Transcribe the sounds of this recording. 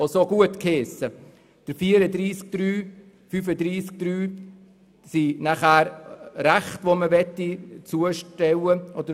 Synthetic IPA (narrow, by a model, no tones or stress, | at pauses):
osoɡ̥uətkʰeːsə | d̥əɾfiəɾəd̪ɾiːsk̚d̥̪ɾyː | fyfəd̪ɾiːsk̚d̥ɾyː | sinaχæːɾɾæχtʋoməʋɛtit͡suəʃtɛwəʔɔd̥ə